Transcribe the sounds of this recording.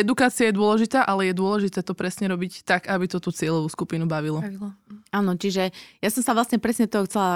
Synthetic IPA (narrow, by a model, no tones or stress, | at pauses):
ɛd̪ukaːt͡siajɛd̪ʊɔlɛʒit̪aːʔalɛjɛd̪ʊɔlɛʒit̪ɛːt̪ɔpɾɛsɲɛɾɔbict̪aɡabit̪ɔt̪uːt͡sɪɛʎɔʋuːskupinubaʋilɔ | aːnɔt͡ʃiʒɛjasɔmsaʋlasɲɛpɾɛsɲɛd̪ɔt̪ɔɦɔxt͡sɛla